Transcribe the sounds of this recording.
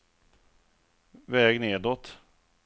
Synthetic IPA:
vɛːɡneːd̪ɔt̪

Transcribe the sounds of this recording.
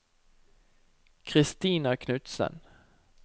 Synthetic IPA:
kʰɾɪst̪iːnakʰnʉt̪sə̰n

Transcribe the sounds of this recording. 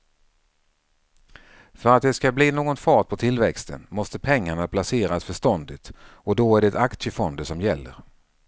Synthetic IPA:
fœɾat̪̚d̪ɛskabliːnoːɡɔnfɑːʈ̚pʰɔt̪ʰɪlvɛkst̪ʰə̰nmɔst̪əpʰɛŋːaɳapʰlaseːɾasfœʂt̪ɔnd̪ɪt̪ɔd̪ɔæɖɛɛt̪akt̪ʂjəfɔnd̪əsɔmjɛlːə̰ɾ

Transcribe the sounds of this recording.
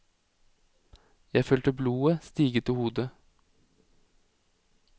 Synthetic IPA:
jæɪføːlt̪əbluːəst̪iːɡət̪ɪhuːd̪ə

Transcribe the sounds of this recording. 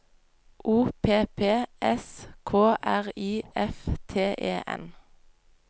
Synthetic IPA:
ʔuːpʰeːpʰeːʔɛskʰoːʔæʁiːʔɛft̪ʰeːʔeːʔɛ̰n

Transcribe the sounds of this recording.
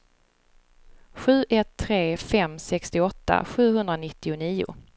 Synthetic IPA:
ɧʉ̟ːʔɛt̪ʰːɾeːfɛmsɛkst̪ɪɔt̪ːa̰ɧʉ̟ːɦɵnd̪ɾanɪt̪ːɪʊniːʊ̰

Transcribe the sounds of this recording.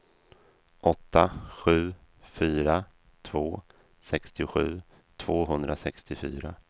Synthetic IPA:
ʔɔt̪ːaɧʉ̟ː | fyːɾa | t̪ʰvoː | sɛkst̪ɪɧʉ̟ː | t̪ʰv̥oːɦɵnd̪ɾasɛkst̪ɪfyːɾa

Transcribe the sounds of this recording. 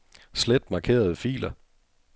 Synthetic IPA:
sled̥mɑ̈ːkʰe̝̰ːɐð̞ˠəfḭːlɐ

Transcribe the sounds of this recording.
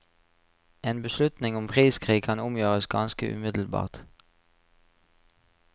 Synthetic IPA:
eːnbəʃlʉt̪nɪŋʊmpʰʁiːskʰʁiːɡ̚kʰɑnʊmjøːʁəsɡɑnskəʔʉ̰ːmɪd̪l̩bɑ̰ːʁt̪

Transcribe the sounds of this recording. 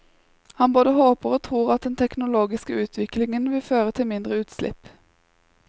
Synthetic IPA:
hɑnboːd̪əhoːpəʁoːt̪ʰʁuːʁɑt̪̚d̪ɛnt̪ʰɛknʊloːɡɪskəʉːt̪ʰʋɪklɪŋənʋɪlføːʁət̪ʰɪlmɪnd̪ʁəʉːt̪slɪ̰p

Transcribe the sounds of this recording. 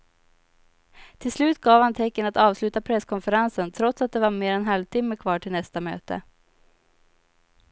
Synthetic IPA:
t̪ʰɪlslʉ̟ːt̪ɡɑːvhant̪ʰɛkːənat̪ɑːvslʉ̟ːt̪apʰɾɛsːkʰɔnfəɾansənt̪ʰɾɔt̪sat̪̚d̪ɛvaɾmeːɾɛnɦalvt̪ʰɪmːəkʰvɑːʈʰɪlnɛst̪amø̰ːt̪ə̰

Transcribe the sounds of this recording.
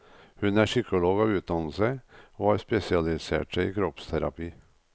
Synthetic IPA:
hʉnæʂʏkʊloːɡɑʋʉːt̪̚d̪ɑnl̩səoːhɑːɾspɛsɪɑlɪsḛːʈʂæḭːkʰɾɔpst̪ʰæɾɑ̰piː

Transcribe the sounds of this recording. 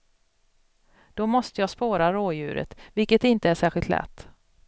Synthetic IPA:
d̪̥ɔmɔst̪əjɑːspoːɾaɾoːjʉ̟ːɾə̰t̪vɪlkət̪ɪnt̪əæʂæːɾɧɪlt̪lʔɛ̰t̪ː

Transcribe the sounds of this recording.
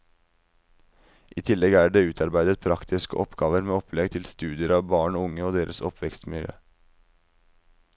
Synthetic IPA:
ʔiːt̪ʰɪlːɛɡæːɖeːʉːt̪ʰɑɾbæɪd̪ət̪̚pʰɾɑkt̪ʰɪskə̰ʔɔpɡɑːʋəɾmeːɔpʰlɛɡt̪ʰɪlst̪ʉːd̪ɪəɾɑːʋbɑːɳoːʊŋəoːd̪eːɾʔəsɔpʰʋɛkst̪mɪljø̰ː

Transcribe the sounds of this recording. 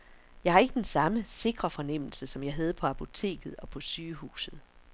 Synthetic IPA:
jɑ̈ɪhæɐe̝ɡ̥əd̥ensɑ̈məse̝ɡ̥ʁɐfɒ̽nem̰l̩səsɒ̽mjɑ̈ɪɦæð̞̩ˠəpʰɒ̽æpʰo̝t͡sʰe̝̰ːɡ̥ð̩ˠɒ̽pʰɒ̽syːhṵːsð̩ˠ

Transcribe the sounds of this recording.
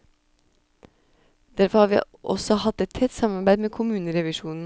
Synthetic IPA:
d̪̥æɾfɔɾhɑːɾʋḭː | ʔɔ̰sɔhɑt̪ːɛt̪̚ʰɛt̪ːsɑmɑɾbæɪmeːkʰʊmʉːnəɾɛʋɪʃuːnn̩

